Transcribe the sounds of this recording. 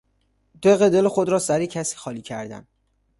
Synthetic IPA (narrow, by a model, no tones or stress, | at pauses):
d̪̥eɣed̪e̞lexod̪ɾɒːsæɾicʰæsi̥ːxɒːliːcʰæ̰ɾd̪æ̰n